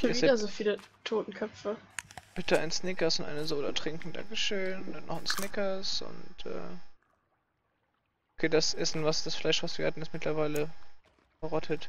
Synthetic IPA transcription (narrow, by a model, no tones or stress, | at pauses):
ɪviːdɐzoːfiːlətʰoːtn̩kʰœpfəb̥ɪtʰəa̰ɪnsnɪkɐsʊntʔa̰ɪnəzodɐ̰tʁ̥ɪŋkŋ̩da̰ŋkəʃøːnd̥anːɔχansnɪkɐsʔʊ̰ntʔɛ̰ː | ʔokʰeːdasʔɛsn̩vasd̥asflaɪʃv̥asv̥iːɐhatn̩ɪstmɪtlɐvaɪlə | fəʁɔtʰət